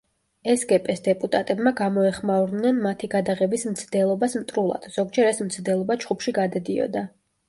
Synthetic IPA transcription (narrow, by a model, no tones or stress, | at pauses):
ɛsɡɛpʼɛsd̪ɛpʼut̪ʼat̪ʼɛbmaɡamɔɛχmavɾnɛnmat̪ʰiɡad̪aʁɛbismt̪sʰd̪ɛlˠɔbasmt̪ʼɾulˠa̰d̪̥z̥ɔɡd͡ʒɛɾɛsmt̪sʰd̪ɛlˠɔbad͡ʒχupʰʃiɡad̪ad̪iɔ̰d̪a